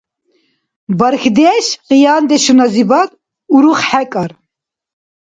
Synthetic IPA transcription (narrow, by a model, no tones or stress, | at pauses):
bɐɾxd̪eʃqijɑːnd̪eʃunɑzibɑt̪̚ | uɾuχħɛkʼɑɾ